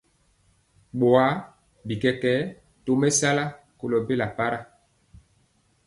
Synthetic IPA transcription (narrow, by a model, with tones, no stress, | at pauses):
ɓo˨a˨˦ | bi˨kɛ˨kɛ˦ | to˦mɛ˦sa˦la˦ | ko˨lɔ˨be˦la˨pa˦ɾa˦